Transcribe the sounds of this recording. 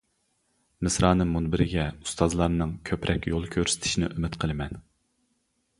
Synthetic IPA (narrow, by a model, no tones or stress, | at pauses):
mɨsɾɑːnɨːunbɪɾɪɡʲɛust̪ʰɑzlˠɑɾnɨŋkʲʰøpɾʔɛkʲjolˠkʲʰøɾsɪ̥t̪ʰɪ̥ʃinɪ̰ʔymɪt̪qʰəlˠɨmɛn